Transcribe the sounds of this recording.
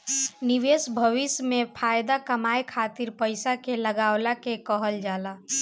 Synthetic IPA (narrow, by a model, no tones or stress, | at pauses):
niʋesbʱəʋismepʰajd̪akəmajkʰat̪iɾpəjsakeləɡaʊlakekəɦəld͡ʒala